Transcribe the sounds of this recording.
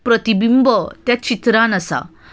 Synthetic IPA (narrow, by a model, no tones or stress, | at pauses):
pɾət̪ibimbət̪jat͡ɕit̪ɾanəsa̰